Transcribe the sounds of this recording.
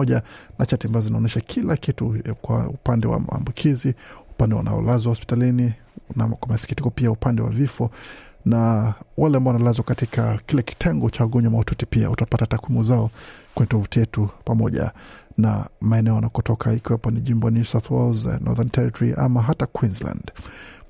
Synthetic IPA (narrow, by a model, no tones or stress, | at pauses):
ɔʄanat͡ʃatiambazɔzinaɔnɛʃakʰilakitukwa̰ṵpandɛwa̰ma̰ːmbukʰiziupandɛwa̰na̰ɔ̰lazwahɔspi̥talini | nakwamasi̥ki̥tikɔpiaupandɛwa̰vifɔ | nawalɛambaɔwanalazwakatikʰakilɛki̥tʰɛŋɡɔt͡ʃawaɠɔɲwamaututipia̰utapatatakwimuzaɔkwɛɲɛtɔvutijɛtupamɔʄa̰na̰maɛnɛɔanakɔtɔkʰahikiwapɔniʄimbɔnsawθwɛlznʔɔ̰ðantʰɛɾitɔɾiʔa̰maɦatakwinzla̰nd̥